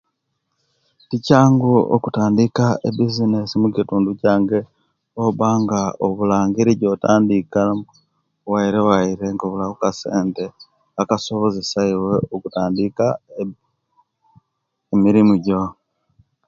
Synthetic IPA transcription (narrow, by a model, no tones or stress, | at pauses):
ticaːŋɡoo̰kutaːndikaebizinesimukituːnducaːŋɡe | oβaːŋɡaoβulaːŋɡiɾiɟotaːndika | waiɾewaiɾe̞ŋɡoβulakukaseːnte | akaso̞βozisaiweokutaːndika | emiɾimuɟo